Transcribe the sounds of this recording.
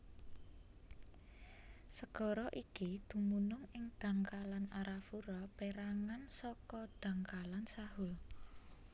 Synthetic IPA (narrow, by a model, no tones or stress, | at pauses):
səɡ̥ɔ̤ɾɔʔikid̪̥ṳmunʊŋɪŋd̪̥a̤ŋkalanaɾafuɾɔpeɾaŋansɔkɔd̪̥ä̤ŋkalansahʊl